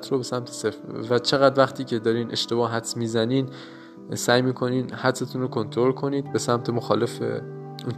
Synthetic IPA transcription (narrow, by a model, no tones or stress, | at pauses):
t̪ʰɾobe̞sæmt̪ʰesefvæt͡ʃʰe̞ɣæd̪væxt̪ʰiːcʰe̞d̪ɒːɾiːnʔe̞ʃt̪e̞bɒːhɦæt̪smiːzæniːn | sæːjmiːkʰo̞niːnhæt̪se̞t̪ʰuːnɾokʰo̞nt̪ʰoɾo̞lkʰo̞niːd̪be̞sæmt̪ʰe̞moxɒːle̞fḛ | un